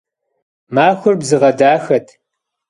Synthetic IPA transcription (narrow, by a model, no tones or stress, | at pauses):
maːxʷʊrbzɨʁɐdaːxɐtʰ